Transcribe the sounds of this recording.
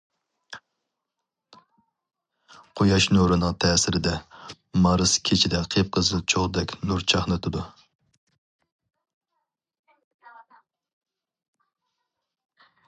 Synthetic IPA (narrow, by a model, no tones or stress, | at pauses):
qʰojɑʃnoɾɨnɨŋt̪ʰɛːsɪɾɪd̪ɛ | mɑɾɨskʲʰet͡ʃʰid̪ɛqʰep̚qʰəzɨt͡ʃʰoʁd̪ɛkʲnuɾt͡ʃʰɑχnɨt̪ʰɨd̪u